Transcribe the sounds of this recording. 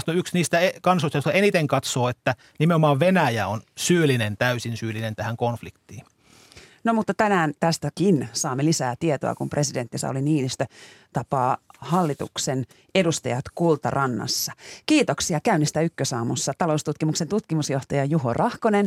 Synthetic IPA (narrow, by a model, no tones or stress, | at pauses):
st̪oyksniːst̪æekɑnsoist̪ɑjot̪ɑenit̪eŋkɑt̪soːet̪ːæ | nimeomɑːʋʋenæjæonsyːlːˑinent̪æysinsyːlːˑinent̪æhæŋkonflikt̪ːˑiːn | nomut̪ːɑt̪ænæːnt̪æst̪ækinsɑːmːelisæːt̪iet̪o̰ɑ̰kumprʔe̞side̞nt̪ːisæ̰oliniːnist̪øt̪ɑpɑːhɑlːit̪ṵksen | e̞dust̪ɑjɑt̪kult̪ɑrʔɑnːɑ̰sːɑkiːt̪oksiɑkæynːist̪æykːøsɑːmusːɑt̪ɑlo̞ust̪ut̪kimukse̞nt̪ut̪kimusjo̞ht̪ɑjɑjuɦo̰rʔɑhkonen